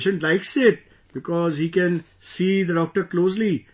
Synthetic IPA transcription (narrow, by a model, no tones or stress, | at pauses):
ʃə̃nlaɪksɪʈ̚ | b̥ɪkɔːzhiːkɛ̃n | siːd̪əɖɔːk̚ʈəɾkloːsli